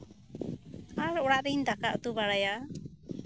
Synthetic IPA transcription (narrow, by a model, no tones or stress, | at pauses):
aɾɔɽaʔd̪ind̪akaʔt̪ubaɽaja